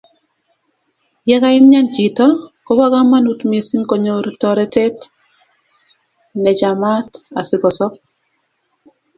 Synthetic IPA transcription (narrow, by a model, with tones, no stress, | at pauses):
jɛ˦ka˦ɪ˦mɲa˦nd͡ʒi˨tɔ˦kɔ˦ba˦ɡa˦ma˦nu˦tmje˨si˦ŋkɔ˨ɲo˨ɾtɔɾɛ˦tɛ˦t | nɛ˨d͡ʒa˨ma˦ta˨sɪ˨ɡɔ˨sɔ˦p̚